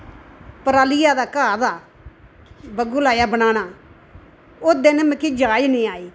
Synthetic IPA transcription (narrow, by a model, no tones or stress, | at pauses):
pəɾaːlɪjaːd̪aːkaːd̪aː | bəɡuːlaːjaːbənaːnaː | oːd̪ɪnməkid͡ʒaːjnĩːaːiː